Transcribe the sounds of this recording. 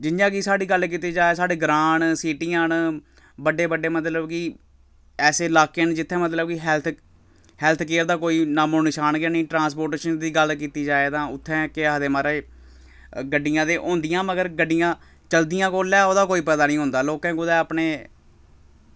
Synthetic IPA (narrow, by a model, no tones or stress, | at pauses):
d͡ʒɪnd͡ʒãːkisaːɽiːɡəlk̬iːt̪iːd͡ʒaːeːsaːɖeːɡɾãːɳsiːʈiːãːn | bəɖeːbəɖːeːmət̪ləbkɪ | ɛːseːlaːkeːnd͡ʒɪt̪ʰːɛ̃ːmət̪ləbkiɦɛːlt̪ʰ | hɛːlt̪ʰkeːɾd̪aːkoːiːnaːmõːnɪʃaːnɡaːnĩːʈɾãːnspoːɾʈeːʃənd̪iːɡəlkiːt̪iːd͡ʒaːeːt̪ãːʊt̪ʰːɛ̃ːkɪaːd̪eːmaːɾeː | ɡəɖːɪjãːd̪eːʔõːnd̪ɪjãːməɡəɾɡəɖːɪjãː | t͡ʃəld̪ijãːkoːlɛːoːd̪aːkoːiːpɛːd̪aːnĩːɦõːnd̪aːloːkãːɡʊd̪ɛːəpɳeː